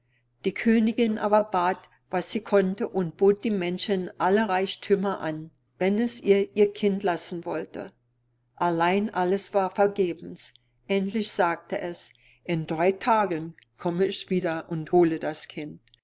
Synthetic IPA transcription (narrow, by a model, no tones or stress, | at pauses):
d̥iːkʰøːnɪɡɪnʔa̰ːbɐbaːt | v̥asz̥iːkʰɔntəʔʊnt̚b̥oːt̚d̥iːmɛnʃənʔaləʁaɪçtʰymɐʔan | vɛnɛsʔiːɐʔiːɐkʰɪntlasn̩vɔltə̰ | ʔalaɪnʔaləsv̥aːɐfɛɐɡeːbm̩s | ʔɛntlɪçz̥aːk̚təʔɛs | ʔɪndʁaɪtʰaːɡən | kʰɔməɪçv̥iːdɐʔʊnthoːlədaskʰɪnt̚